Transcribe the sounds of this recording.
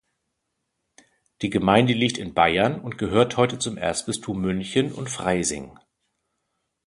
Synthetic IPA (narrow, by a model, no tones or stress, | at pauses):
d̥iːɡəmaɪndəliːk̚tɪnbaɪɐnʊntɡ̥əɦøːɐthɔʏtət͡sʊmʔḛɐstb̥ɪstʰuːmʏnçənʊ̰ntfʁ̥aɪzɪ̰ŋ